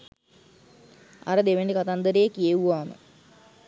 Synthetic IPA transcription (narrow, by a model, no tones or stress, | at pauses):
ɐ̰ɾəd̪eʋenɖikat̪and̪əɾejekieʋuʋaːmə̰